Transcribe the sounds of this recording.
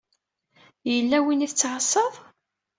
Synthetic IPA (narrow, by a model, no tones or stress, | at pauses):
jəlːæwiniθət͡sːʕəsˤːɑðˤ